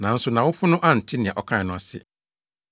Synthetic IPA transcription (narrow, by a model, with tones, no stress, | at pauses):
nã˨˦n̩˦sʊ˨nã˨wʊ˦fʊ˦nʊ̃˦ʔa˦˨n̩˨tʰɪ˦nɪ̃˨ã˨ʔɔ˨kʰã˦˨ɪ˨nʊ̃˦a˨sɪ̰˦